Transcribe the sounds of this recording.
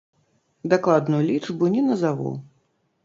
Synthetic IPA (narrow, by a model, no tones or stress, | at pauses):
d̪aklˠad̪nujulʲiʐbunʲɛnɐzavṵ